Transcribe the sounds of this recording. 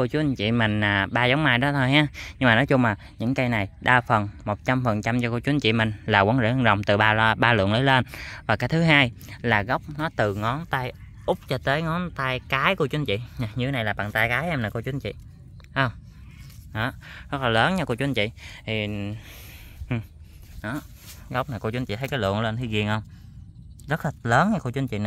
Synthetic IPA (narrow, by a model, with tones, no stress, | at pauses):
ko˧t͡ɕu˧˦ənt͡ɕḭ˧˨mï˨˩ŋ̟aː˨˩ɓaː˧zɔ˨˦ŋ͡mmaː˧jɗɔ˨˦t̪ʰo˧jɦaː˧˦ɲɨ˧ŋmaː˨nɔ˨˦jt͡ɕʊ˧ŋ͡mmaː˨˩ɲɨ̰˧˥ŋkə˧jna˨˩jɗaː˧fə˨˩nmo˨˩t̚t͡ɕa˧mfə˨˩nt͡ɕa˧mt͡ɕɔ˧kt͡ɕu˨˦ənt͡ɕḭ˧˨mï˨˩ŋ̟laː˨˩waː˨˦nzə̰˧˥˧ŋzə˨˩wŋ͡mt̪ɨ˨˩ɓaː˧ɓaː˧lṵ˧˨əŋləː˨˦leː˧nvaː˨˩kaː˨˦jt̪ʰɨ˨˦ɦaː˧j | laː˨˩ɣə˦˥wk͡p̚nɔ˨˦t̪ɨ˨˩ŋɔ˨˦nt̪aː˧j | ʔʊ˦˥k͡p̚t͡ɕɔ˧t̪əː˨˦jŋɔ˨˦nt̪aː˧jkaː˨˦jku˧ət͡ɕu˨˦ənt͡ɕḭ˧˨ɲa˨˩ɲɨ˧e˦na˨˩jlaː˨˩ɓa̰ː˧˨ŋt̪aː˧jkaː˨˦jʔɛ˧mnaː˨˩ko˧t͡ɕu˨˦nt͡ɕḭ˧˨ | hə˧wŋ͡m | ʔɔ˨˦zə˦˥t̚laː˨˩ləː˨˦nɲa˧ku˧ət͡ɕwu˨˦nt͡ɕḭ˧˨t̪ʰi˨˩ | ʔ | ʔɔ˨˦ | ɣə˦˥wk͡p̚naː˨˩kt͡ɕu˨˦nt͡ɕḭ˧˨t̪ʰjkaː˨˦jlɨ̰˧˨ənle˧nt̪ʰi˧ɣi˧˩ənhə˧wŋ͡m | zə˦˥t̚laː˨˩ləː˨˦nɲa˧˩ko˧t͡ɕu˨˦nt͡ɕḭ˧˨na˨